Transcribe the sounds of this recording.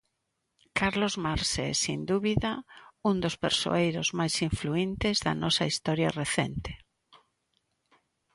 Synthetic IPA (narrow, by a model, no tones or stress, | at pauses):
kaɾlozmaɾsesind̪uβiðaund̪ospḛɾso̰ejɾozmajsiɱfluint̪ezðɐ̰nɔsɐist̪ɔɾja̰reθɛnt̪e̥